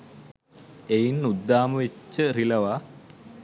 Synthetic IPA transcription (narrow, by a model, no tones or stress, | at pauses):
ejinːud̪ːaːməʋet͡ʃːərilɐʋa